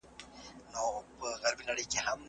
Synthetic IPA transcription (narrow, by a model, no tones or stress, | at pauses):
nopəɣaɾbinaɽəjkeham